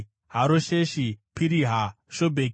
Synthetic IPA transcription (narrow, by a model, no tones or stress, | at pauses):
ɦaɾoʃeʃipʰiɾiɦa | ʃobʱe